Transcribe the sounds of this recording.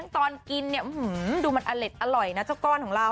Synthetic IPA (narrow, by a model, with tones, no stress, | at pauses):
ŋt̪ɔː˧nki˧nːi˥˩ʔhɯː˩˦duː˧ma˧nʔa˧le˨˦˩t̪̚ʔa˧ɾɔ˨˩jna˦˥t͡ɕa˥˩wkɔː˥˩nkʰɔː˩˦ŋɾa˧w